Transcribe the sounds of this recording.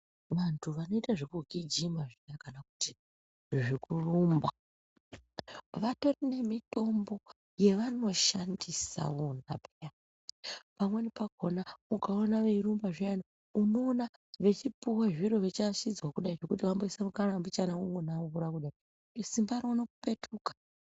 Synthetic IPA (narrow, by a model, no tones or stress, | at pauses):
ʋantʰuʋano̞itaʐikuɡʱid͡ʒimaʐijakanakuti | ʐikurumba | ʋato̞rine̞mito̞mbo̞ | je̞ʋano̞ʃandisa̰onabeja | pamwe̞nipaɡ̥ʱo̞naukaonaʋeirumbaʐiano | uno̞ːna | ʋe̞t͡ʃipuwaʐiɾo̞ʋet͡ʃaʃid͡zwakuɗait͡ʃo̞kutiʋambo̞isamukarambit͡ʃanauŋonaukuɾakuɗai | osimbaɾounokupe̞tʰuːkḁ